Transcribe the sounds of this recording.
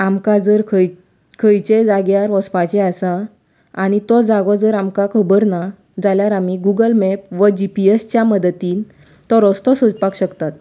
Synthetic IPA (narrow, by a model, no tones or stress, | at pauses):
amkad͡zəɾkʰə | kʰəjt͡ɕed͡zaɡjaɾʋɔspat͡ɕɛasa | aɽ̃it̪ɔd͡zaɡɔd͡zəɾamkakʰəbəɾna | d͡zaljaɾamiɡuɡəlmɛp̚ʋəd͡ʑipiest͡ɕjaməd̪t̪iːn | t̪ɔɾɔst̪ɔsəd͡zpakɕəkt̪at̪̚